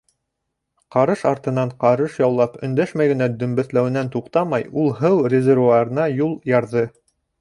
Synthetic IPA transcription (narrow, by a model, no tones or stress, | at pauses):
qɑɾɤʃɑɾt̪ɤ̆nɑɴqɑɾɤʃjɑwlˠɑpɵ̆nd̪æʃmæjɡɘ̆næd̪ɵ̆mbɘ̆θlæwɘ̆nænt̪uqt̪ɑmɑjulˠɦɤwrʲɪzʲervuɑɾɤ̆nɑjulˠjɑɾðɤ